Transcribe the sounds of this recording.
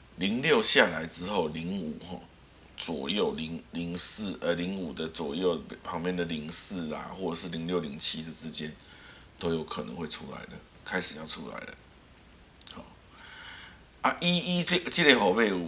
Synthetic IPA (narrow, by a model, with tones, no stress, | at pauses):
li˨˦ŋljo˥˧ʊɕja˥˨la˨˦ɪʈ͡ʂɻ̩˦xo˥˨˩ʊli˧˥ŋu˨˩xɔ̰˨˩ | t͡swɔ˨˩jo˥˩ʊli˧˥ŋli˧˥ŋs̩˥˨ə˧li˧˥ŋu˨˩d̪ə˦t͡swɔ˨˩jo˥˩ʊpʰɑ˧˥ŋpjɛ˥˨nd̪ə˨li˧˥ŋsɹ̩˥˩la̰˨xwɔ˥˩ʈ͡ʂə˨˩ʂɻ̩˥˩li˧˥˦ŋljo˥˩ʊli˨˧˥ŋt͡ɕʰi˦d̪ə˨t͡sɻ̩˦t͡ɕjɛ˦n | t̪o˥ʊjo˧˥ʊkʰɤ˨˩nɤ̰˧˦ŋxwe˥˩ɪʈ͡ʂʰu˦˥la̰˨˦ɪd̪ə̰˨ | kʰa˥ɪʂɻ̩˨˩jɑ˥˩ʊʈ͡ʂʰu˦˥la̰˨˧˦ɪdə̰˨ | hɔ̰˨˩ | a˥˧ʔi˦˥i˦˥˨t͡ɕi˥˧le˥˩xo˨˩ʊpe˥˧ɪu˨